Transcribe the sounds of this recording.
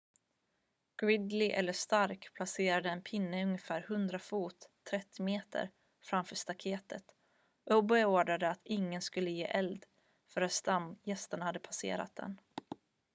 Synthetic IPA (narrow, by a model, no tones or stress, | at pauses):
ɡ̥ɾɪd̪lɪʔɛ̰lːəʂt̪aɾkpʰlaseːɾad̪əɛnpʰɪnːəɵŋjəfæːɾhɵnd̪ɾafuːt̪ʰːɾɛt̪ʰːɪmeːt̪ʰə̰ɾ | fɾamfœːʂt̪akʰeːt̪ə̰t̪ | ʔɔbɛoːɖad̪əat̪ɪŋːənskɵlːəjḛːʔɛld̪ | fœɾat̪st̪amːjɛst̪əɳhad̪ːəpʰasḛːɾa̰t̪̚d̪ɛ̰n